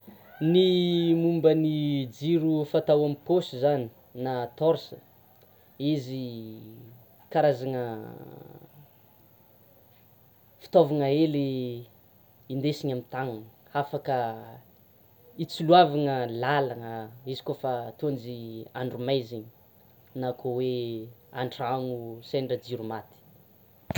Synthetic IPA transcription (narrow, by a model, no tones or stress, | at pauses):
nimumbənid͡ziɾufat̪awamiposizani | nat̪ɔɾsə | izi | kaɾazaŋə | fi̥t̪ovaŋəeli | ind̪esiɲamit̪aŋan | afakə | it͡suluavaŋəlalaŋəizi̥kofat̪ond͡ʒiaɳɖ͡ʐumajziɲi | nakʰowea̰ɳʈ͡ʂaŋusenɖ͡ʐad͡ziɾumat̪i̥